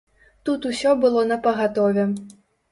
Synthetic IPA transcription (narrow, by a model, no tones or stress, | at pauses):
t̪ut̪usʲɔbɨlˠɔnɐpɐɣat̪ɔvʲɛ